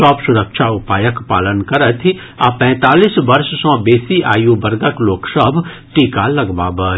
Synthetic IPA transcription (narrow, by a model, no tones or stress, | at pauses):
ɔːpsʊɾəkʃʰaʊpaːjəkpaːlənkɐɾət̪ʰi | apɛ̃ːt̪aːliːsʋɐɾʃsɔ̃beːsiʔa̰ːjubɐɾɡəkloːksəbʱ | ʈiːkalɐɡba̰ːbəː